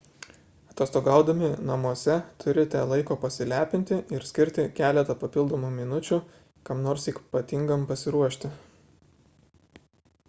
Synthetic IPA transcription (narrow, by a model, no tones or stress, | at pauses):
ɐt̪oːst̪oɡɑˑʊd̪ɐmʲɪnɐmuɔsʲɛt̪ʰʊɾʲɪt̪ɑːlˠɐɪkoːpɐsʲɪlʲæːpʲɪnʲt̪ʲɪʔɪɾsʲkʲɪɾʲt̪ʲɪkʲæːlʲɛt̪ɐpɐpʲɪlˠd̪oːmuːmʲɪnʊt͡ʃʲu | kɐmnoːɾsiːkpɐt̪ʲɪŋɡɐmpɐsʲɪɾuɔʃʲt̪ʲɪ